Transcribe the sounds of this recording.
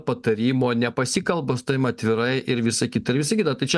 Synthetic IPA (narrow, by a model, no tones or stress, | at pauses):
pɐt̪ɐɾʲiːmoːnʲɛpɐsʲiːkɐlˠbost̪ɐɪmɐt̪ʲʋʲɪɾɐɪʔɪɾʋʲɪsɐkʲiːt̪ɐɪɾʋʲɪsɐɪkʲiːt̪ɐt̪ɐɪt͡ʃʲɛ